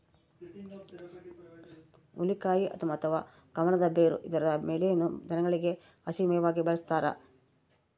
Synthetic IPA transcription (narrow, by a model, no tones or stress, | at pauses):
ulikaːjiʔɐ̰t̪ʰɐmɐt̪ʰɐʋaː | ɡ̥ɐmɐnɐd̪ɐbeːɾṵʔid̪ɐɾɐɐmeːlenːud͡ʒɐnɐɡɐɭiɡe̞ | ɐsimɛjɐʋaːɡibɐɭɐst̪aːɾɐ̰